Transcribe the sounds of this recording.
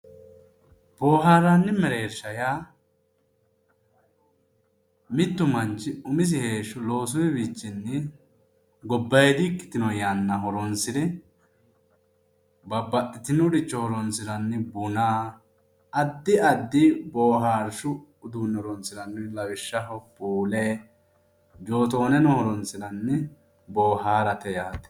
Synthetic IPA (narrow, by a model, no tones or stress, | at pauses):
b̥oːɦaːɾɐnːɪmɛɾeːɾʃɐjaː | mɪt̪ːʊmɐnt͡ʃːɪʊmɪs̬ɪhe̞ːʃːʊlo̞ːs̬ʊwɛbiːt͡ʃːɪnːɛ | ɡɔbːɐjd̪ɪkːɪ̥t̪ɪnɔjanːɐɦɔɾɔnsɪd̪ɛ | bɐbːɐtːɪt̪ɪnʊɾɪt͡ʃːɔhɔɾɔnsɪdɐnːɪbʊnaː | ɐd̪ːɪɐd̪ːɪboːɦaːɾʃʊ | ʊd̪uːnːɔɾɔnsɪɾɐnːɪlɐwɪʃːɐɦɔpuːle | d͡ʒo̞ːt̪oːnɛnɔhɔɾɔnsɪdɐnːɪ | bo̞ːhaːɾɐt̪ɛjaːt̪ɛ̥